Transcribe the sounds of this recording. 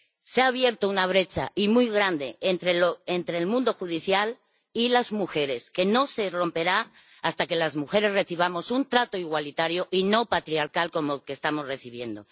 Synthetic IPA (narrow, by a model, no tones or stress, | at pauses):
seaːβ̞je̞ɾt̪ounaβɾe̞t͡ʃa̰imujɣ̞ɾand̪e̞ent̪ɾeloent̪ɾeːlmũnd̪o̞xuð̞iθjal | ilazmuxe̞ɾe̞ske̞no̞se̞ro̞mpe̞ɾa | ast̪ake̞lazmuxe̞ɾe̞zre̞θiβ̞amo̞sunt̪ɾat̪o̞iɣwalit̪aɾjo̞ʔino̞pat̪ɾiaɾkalko̞mokest̪amo̞zre̞θiβ̞je̞nd̪o